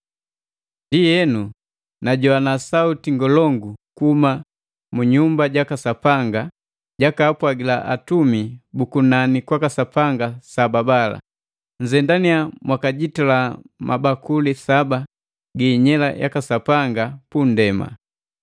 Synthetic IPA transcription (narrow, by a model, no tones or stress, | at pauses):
ndijɛnu | naɟɔanasautiŋɡɔlɔŋɡukuuma | muɲumbaɟakasapaŋɡa | ɟakaːpwaɡila̰ʔa̰tumibukunanikwakasapaŋɡasababala̰ | ɲzɛndaniamwakaɟitalamʔabakulisaba | ɡiːɲɛla̰ja̰kasapaŋɡapundɛma̰